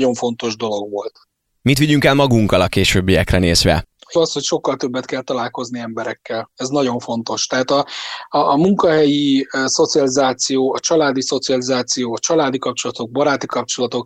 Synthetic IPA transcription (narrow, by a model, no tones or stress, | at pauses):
o̞ɱfo̞nt̪o̞ʒd̪o̞lo̞ɡʋo̞lt̪ | mit̪ʋiɟyŋkɛlmɒɡuŋkɒlɒkeːʃøːbːijɛkrɛneːzʋɛ̰ɒsho̞cʃo̞kːɒlt̪øbːɛt̪kɛlt̪ɒlaːlko̞zniɛmbɛɾɛkːɛlɛznɒɟo̞ɱfo̞nt̪o̞ʃt̪ɛɦaːt̪ɒː | muŋkɒɦɛjiso̞t̪siɒlizaːt̪sijoːɒt͡ʃɒlaːd̪iso̞t̪siɒlizaːt̪sijoːɒt͡ʃɒlaːd̪ikɒp̚t͡ʃo̞lɒt̪o̞ɡ̚bɒɾaːt̪ikɒp̚t͡ʃo̞lɒt̪o̞k